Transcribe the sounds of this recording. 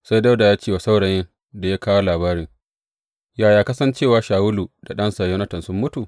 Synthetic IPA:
sa˦jda˦wda˨jaː˦t͡ʃeː˦wa˨sa˦wɽɐ˨jɪ˦n | da˨jaː˦kaː˦wa˦laː˨baː˦ɾɪ˦ŋ | jaː˨jaː˦kɐ˦sɐ˦nt͡ʃeː˦˨waː˨˦ʃaː˨wʊ˦lu˨da˨ɗɐ˦nsa˨joː˦nɐ˦tɐ˨nsʊ˦mːʊ˦tu˨

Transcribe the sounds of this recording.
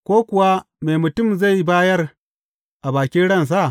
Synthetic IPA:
kʷoː˦kʷʊ˨wa˦ | meː˨mʊ˨tʊ˦˨mza˦˨jbaː˦jɐ˦r | ʔa˨baː˨kʲɪ˦nɽɐ˦ns̬a˦˨ʔ

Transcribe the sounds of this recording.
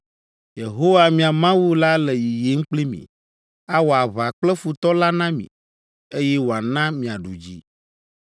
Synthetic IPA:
je˨ɦo˦wa˦mĩ˨a˨mã˦wu˦la˦lɛ˨ji˨je˦ŋ̩˦k͡ple˦mḭ̃˨ | a˦wo˨a˨βa˨k͡plɛ˦fu˨t̪ɔ˦la˦nã˦mḭ̃˨ | e˦jɛ˦wo˨a˨nã˦mĩ˨a˨ɖu˨d͡ʑḭ˦

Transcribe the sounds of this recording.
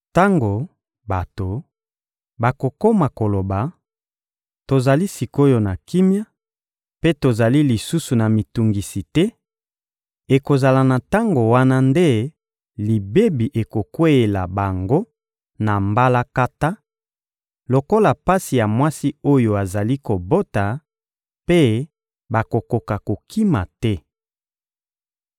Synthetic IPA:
ta˦ŋɡo˨ | ba˨to˨ | ba˨ko˨ko˦ma˨ko˨lo˨ba˨ | to˨za˨li˦si˨ko˦jo˨na˨ki˦mja˦ | pe˦to˨za˨li˦li˨su˦su˨na˨mi˨tu˨ŋɡi˨si˨tɛ˦ | e˨ko˨za˨la˨na˨ta˦ŋɡo˨wa˦na˦nde˦ | li˨be˦bi˨ʔe˨ko˨kwe˦e˨la̰˨ba˨ŋɡo˦ | na˨mba˦la˦ka˦ta˦ | lo˨ko˦la˨pa˦si˨ja˨mwa˦si˦o˦jo˨a˨za˨li˦ko˨bo˦ta˨ | pe˦ | ba˨ko˨ko˨ka˨ko˨kʰi˦ma̰˨tɛ˦

